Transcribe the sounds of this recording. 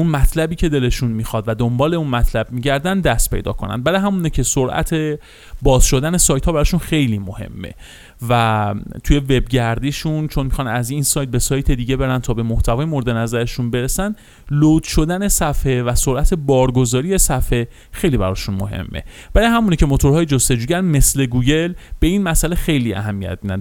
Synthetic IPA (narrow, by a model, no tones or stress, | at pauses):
unmæt̪ʰlæbiːcʰe̞d̪e̞le̞ʃunmixɒd̪væd̪ombɒːle̞unmæt̪ʰlæbmiːɟæɾd̪ænd̪d̪ːæst̪̚pʰe̞jd̪ɒ̰ːkʰo̞næ̰nd̪̚bæɾɒjɦæmuːnecʰe̞soɾʔæ̰t̪ʰe | bɒːz̥ʃo̞d̪æne̞sɒːjt̪hɒːbæɾɒʃunxe̞jliːmohe̞̰mːe̞̰ | væt̪ʰuje̞ve̞b̚ɟæɾd̪iːʃunt͡ʃʰonmixɒnæzinsɒjt̪̚be̞sɒːjt̪ʰe̞d̪iːɟe̞be̞ɾænt̪ʰɒːbe̞moht̪ʰævɒːjemoɾed̪enæzæɾe̞ʃunbe̞ɾesæn | lot̪ʰʃod̪æne̞sæfhe̞væsoɾʔæt̪ʰebɒːɾɡo̞zɒːɾije̞sæfe̞ | xe̞jliːbæɾɒ̰ːʃunmo̞ɦe̞̰mːḛb̥æɾɒjɦæmunecʰe̞mo̞t̪ʰo̞ɾhɒːjed͡ʒost̪e̞d͡ʒuːjænme̞sle̞ɡuɟe̞lb̥e̞iːnmæsælexe̞jliæ̰ɦæmːijæ̰t̪̚minæ̰